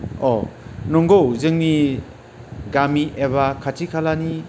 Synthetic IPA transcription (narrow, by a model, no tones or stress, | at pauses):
ɔnɔŋɡowzɯŋni | ɡamiʔeβakʰatʰikʰalani